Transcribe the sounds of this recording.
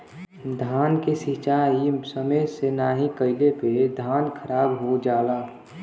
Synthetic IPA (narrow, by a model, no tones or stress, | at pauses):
d̪ʱaːnkesit͡ʃaisəməsenaːɦikəɪleped̪ʱaːnkʰəɾaːbɦod͡ʒaːlaː